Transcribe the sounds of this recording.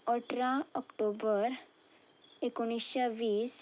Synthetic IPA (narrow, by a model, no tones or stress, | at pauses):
ɔʈɾãɔkʈobəɾ | ekoɽ̃isɕaʋiːs